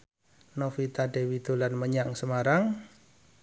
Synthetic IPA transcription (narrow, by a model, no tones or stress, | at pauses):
nofit̪aɖe̤wit̪olanməɲaŋsəmaɾaŋ